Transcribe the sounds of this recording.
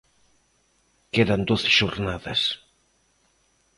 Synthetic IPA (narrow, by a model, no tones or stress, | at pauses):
keðɐnd̪oθɪ̥ʃoɾnaðɐs